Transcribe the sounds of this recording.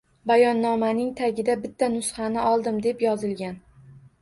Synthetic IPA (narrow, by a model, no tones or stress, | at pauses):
bajɒnːɒmanɪŋt̪ʰaɡʲɪd̪abɪt̪ʰːanʊsχɑnɪɒlˠd̪ɪmd̪e̞pjɒzɪlɡʲan